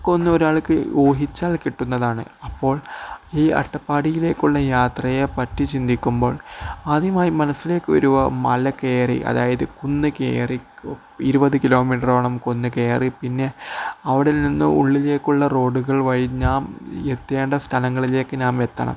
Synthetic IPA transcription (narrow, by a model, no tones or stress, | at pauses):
kːonːɨoɾaːɭkːɨo̞ːɦit͡ɕːaːlkiʈːunːɐðaːɳɨ̰ɐpːo̞ːɭiːɐ̰ʈːɐpːaːɽijile̞ːkːuɭːɐjaːt̪rɐjɐpɐtːit͡ɕind̪ikʲːumbo̞ːɭaːd̪jɐmaːjimɐnɐsːile̞ːkːɨʋɐ̰ɾuʋɐmɐlɐke̞ːrḭʔɐ̰ðaːjɐðɨkunːɨkḛːri | iɾubɐðɨkilo̞ːmiːʈroːɳɐmkunːɨke̞ːripinːe̞ɐʋiɽilninːɨ̰ṵɭːile̞ːkːuɭːɐro̞ːɖuɣɐɭʋɐɻiɲːaːmet̪ːeːɳɖɐst̪ʰɐnɐŋːɐɭile̞ːkːɨnaːme̞t̪ːɐ̰ɳɐ̰m